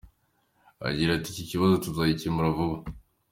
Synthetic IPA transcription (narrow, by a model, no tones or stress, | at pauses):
a̰ɟiɾaticiciβazotuzajicimuɾavuβa